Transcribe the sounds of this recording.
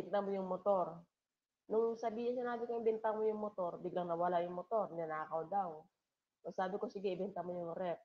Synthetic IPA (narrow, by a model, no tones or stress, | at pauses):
ɛnt̪amojʊŋmot̪o̞ɾ | nʊŋsɐbiːhɪnsɪnaːbɪkoŋbɛnt̪amojʊŋmot̪o̞ɾbɪɡlɐŋnɐwɐlajʊŋmot̪o̞ɾnɪɐnaːkɐwd̪aw | sosaːbɪko̞sɪɡɪʔɪbɛnt̪ɐmojʊŋɾɛp̚